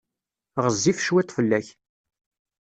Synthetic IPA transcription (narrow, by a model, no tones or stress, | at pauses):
ʁəzːifʃwæt̪ːfəlːæç